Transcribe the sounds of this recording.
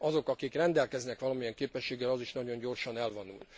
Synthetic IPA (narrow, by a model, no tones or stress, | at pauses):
ɒzo̞kɒkikrɛnd̪ɛlkɛznɛkʋɒlɒmijɛŋkeːpɛʃːeːɡɛlɒziʃnɒɟo̞ɲɟo̞rʃɒnɛlvonṵl